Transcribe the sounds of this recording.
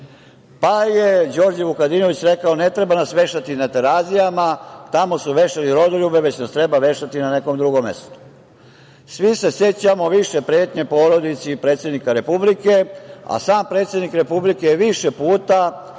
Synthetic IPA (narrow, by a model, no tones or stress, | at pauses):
pajed͡ʑo̞ɾd͡ʑeʋukad̪ino̞ʋit͡ɕɾe̞kaone̞t̪ɾe̞banasʋe̞ʃt̪at̪inat̪e̞ɾazijamat̪amo̞suʋe̞ʃaliɾo̞d̪oʎube̞ʋe̞t͡ɕnast̪ɾe̞baʋe̞ʃt̪at̪inane̞ko̞md̪ɾuɡo̞mːe̞̰st̪o̥ | sʋise̞se̞t͡ɕamo̞ʋiʃe̞pɾe̞ːt̪ɲe̞po̞ɾo̞d̪it̪sipɾe̞ːt̪sjed̪nikaɾe̞publike̞a̰saːmpɾet̪sʲjed̪nikɾe̞publikeʋiʃe̞puːt̪a